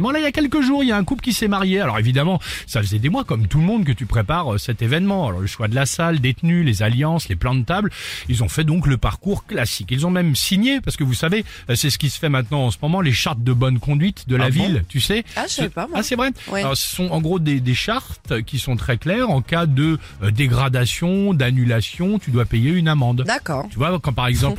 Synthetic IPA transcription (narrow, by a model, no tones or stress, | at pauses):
mɑ̃lailjakʲɛlkəʒuʁijaɛ̃kuplkʲisɛmaʁjealɔʁevid̪amɑ̃safəzɛd̪emwakɔmt̪uləmɔ̃d̪k̬ət̪ypχepaʁəsɛt̪evɛnmɑ̃alɔ̰ʁləʃwad̪əlasald̪et̪nylezaljɑ̃sleplɑ̃d̪ət̪ablilzɔ̃fɛd̪ɔ̃kləpaʁkuʁklasikilzɔ̃mɛmsiɲepaʁsə̥kəvusave | sɛsə̥kʲisə̥fɛmɛ̃t̪nɑ̃ɑ̃səmɔmɑ̃leʃaʁt̪̚d̪əbɔnkɔ̃d̪ɥit̪d̪əlavilt̪ysɛspaasɛvʁɛlɔʁsə̥sɔ̃ɑ̃ɡʁod̪ed̪eʃaʁt̪kʲisɔ̃t̪χɛklɛʁɑ̃kad̪ə | d̪eɡʁad̪asjɔ̃d̪anylasjɔ̃t̪yd̪wapejeynamɑ̃d̪d̪akɔt̪yvwakɑ̃paʁɛɡzɑ̃p